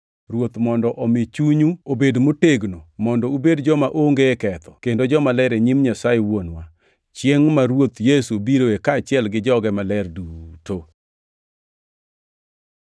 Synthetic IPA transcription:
ɾwot̪mɔndɔʔɔmɪt͡ʃuɲuobedmoteɡnomɔndɔubedd͡ʒɔmaʔoŋɡekɛt̪ɔkendod͡ʒɔmalɛɾeɲimɲasajewonwa | t͡ʃjeŋmaɾwot̪jesubiɾoekaːt͡ʃɪɛlɡɪd͡ʒɔɡɛmalɛrduto

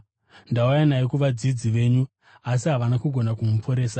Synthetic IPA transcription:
ndaujanaikuʋad͡zid͡ziʋe̞ːɲu | asiɦaʋanakuɡʱo̞nakumupʰo̞ɾe̞ːsa

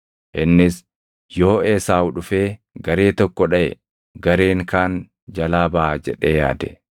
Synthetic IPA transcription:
ʔɪnːɪs | jo̞ːeːsaːwʊᶑʊfe̞ː | ɡɐɾe̞ːt̪ɔkːɔᶑɐʔɛ̰ | ɡɐɾe̞ːŋkaːn | d͡ʒɐlaːbɐʔaːd͡ʒɛ̰ᶑeːja̰ːd̪ɛ

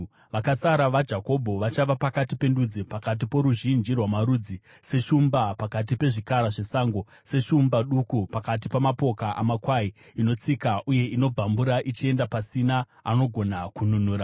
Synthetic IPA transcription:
ʋakasaɾaʋad͡ʒako̞bʱo̞ʋat͡ʃaʋapakatipe̞ndud͡zipakat̬ipo̞ɾuʒind͡ʒirwamaɾud͡zi | se̞ʃumbapakat̬ipe̞ʐikaɾaʐe̞saːŋɡo̞ | se̞ʃumbaɗukupakat̬ipamapo̞kaʔa̰makwaiino̞t͡sikaʔuje̞ino̞b͡vambuɾaʔit͡ʃie̞ndapasina | ano̞ɡʱo̞nakununuːɾa

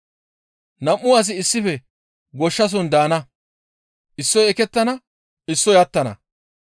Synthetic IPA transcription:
nɐmːʊwaːs̬ɪɪsːɪfɛ | ɡɔʃːɐs̬ɔnd̪aːnɐ | ʔɪsːɔjɛkɛt̪ːɐnɐ | ɪsːɔjɐt̪ːɐnɐ̰

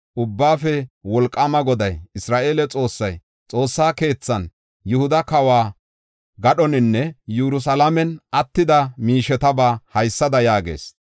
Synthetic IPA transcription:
ʔʊbːaːfɛwɔlkʼːamɐɡɔd̪ɐjɪsɾaːʔe̞ːlɛt͡sʼo̞ːsːɐj | t͡sʼo̞ːsːaːke̞ːt͡sːɐn | jʊhʊd̪ɐkɐwaː | ɡɐɗɔnɪnːɛjuɾʊs̬ɐlɐmɛnʔɐt̪ːɪd̪ɐmiːʃɛt̪ɐbaːhɐjsːɐd̪ɐjaːɡḛːs

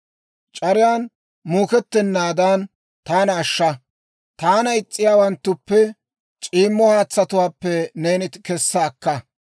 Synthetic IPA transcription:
t͡ʃʼɐɾɪjaːn | muːkɛt̪ːɪnːaːd̪aːn | t̪aːnɐːʃːɐ | t̪aːnɐɪt͡sʼːɪjaːwɐnt̪ːʊpːɛ | t͡ʃʼiːmːɔhaːt͡sːɐt̪ʊwaːpːɛneːnɪkɛsːɐːkːɐ

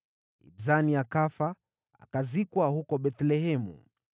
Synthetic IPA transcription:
ḭbzaniakafa | a̰kazikwahukɔɓɛt̪lɛɦɛmṵ

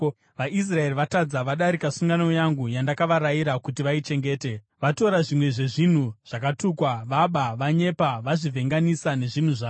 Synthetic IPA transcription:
ʋaʔis̬rae̞riʋatad͡zaʋaɗaɾikasuŋɡanojaŋɡujandakaʋaɾajiɾakut̬iʋait͡ʃe̞ŋɡe̞ːte | ʋato̞ɾaʐimwe̞ʐe̞ʐin̤uʐ̥akatuːkwaʋaɓaʋaɲe̞paʋaʐivʱe̞ŋɡanisane̞ʐin̤uʐaː

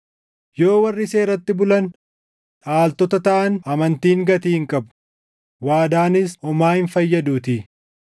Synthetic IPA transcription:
jo̞ːwɐrːɪse̞ːɾɐt̪ːɪbʊlɐn | ᶑaːlt̪ɔt̪ɐt̪ɐʔɐnʔɐmɐnt̪iːŋɡɐt̪iːɪŋkʼɐbʊ̥ | waːd̪aːnɪsɔmaːhɪnfɐjːɐd̪uːt̪ɪ

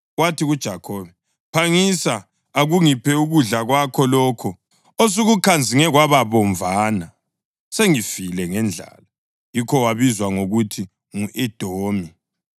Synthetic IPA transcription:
ɣwatʰiɣud̥ʒ̥ʱakʰɔːβɛ | pʰaŋisa | aɣuŋipʰɛuɣuɮaɣwakʰɔlɔːkʰɔ | os̬uɣukʰand͡zʱiŋɛɣwaβaβɔɱvaːna | seŋifilɛŋɛnd͡ɮʱa̰la | jikʰɔwaβizwaŋoɣutʰi | ŋuʔɛd̥ʱoːmi

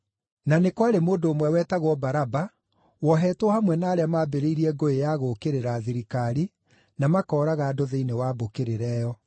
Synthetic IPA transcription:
nanekwaɾemoːdoːmwɛwɛːtaɣwɔbaɾaba | wɔɦɛːtwɔhamwɛnaːɾeamaːbeɾeiɾiɛɡoejaɣokeɾeɾaːðiɾikaɾi | namakɔːɾaɣaːdoðeinewabokeɾeɾɛːjɔ

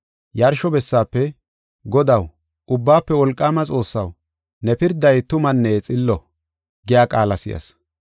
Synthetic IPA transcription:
jɐɾʃɔbɛsːaːpːɛ | ɡɔd̪ɐw | ʔʊbːaːpːɛwɔlkʼːaːmɐt͡sʼo̞ːsːɐw | nɛpɪɾd̪ːɐjt̪ʊmɐnːeːt͡sʼɪlːɔ | ɡɪjaːkʼaːlɐsɪ̰jɐ̰s

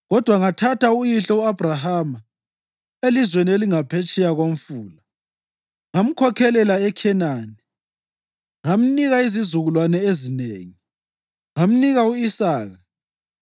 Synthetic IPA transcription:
ɣɔd̥ʱwaŋatʰataujiɬɔuab̥ʱraɦama | elizwenieliŋapʰet͡ʃʼɛjaɣomfuːla | ŋam̩kʰɔkʰɛlɛlaɛkʰɛnanɛ | ŋam̩niɣaizizuɣulwanɛezinḛːŋi | ŋam̩niɣauisaːɣa

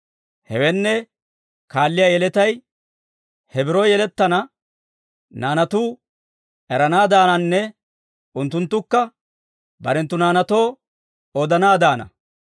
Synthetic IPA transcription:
hɛ̰wɛnːɛ | kaːlːɪjaːjɛlɛt̪ɐj | hɛbɪɾojɛlɛt̪ːɐnɐ | naːnɐt̪uː | ɛɾɐnaːd̪aːnɐnːɛ | ʔʊnt̪ːʊnt̪ːʊkːɐ | bɐɾɛnt̪ːʊnaːnɐt̪o̞ː | od̪ɐnaːd̪aːnɐ̰

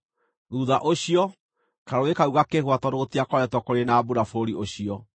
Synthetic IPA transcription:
ɾuðaʔoɕiɔ | kaɾoekauɣakehwatɔɾotiakɔɾɛtɔkoɾenabuɾafoɾioɕiɔ

